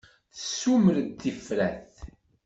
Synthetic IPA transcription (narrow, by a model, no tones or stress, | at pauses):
θəsːuməɾt̪ːifɾæθ